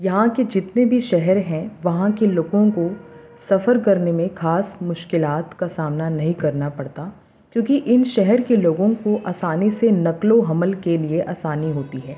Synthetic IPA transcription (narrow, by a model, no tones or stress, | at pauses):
jɐɦãked͡ʒɪt̪nebʱiʃɛɦɛɾɦɛ̃ʋɐɦãkeloːɡõko | sɐfəɾkɐɾnemẽxaːsmʊʃkɪlaːt̪kasaːmnanɐɦĩkɐɾnapɐɽt̪a | kjõːkiʔɪnʃɛɦɛɾkeloːɡõkoʔaːsaːnisenɐkloɦɐməlkelieʔaːsaːniɦoːt̪iɦɛː